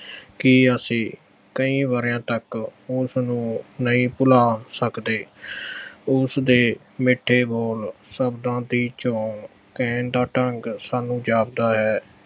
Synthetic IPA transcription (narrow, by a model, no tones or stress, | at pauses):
kiəsĩː | kəĩːʋaːɾjãːt̪əkʊsnũːnəĩːpʊlaːsəkd̪eː | ʊsd̪eː | mɪʈʰːeːboːlsəbd̪ãːd̪iːt͡ʃoːn | kɛ̃ːnd̪aːʈəŋɡsaːnũːd͡ʒaːb̚d̪aːɦɛː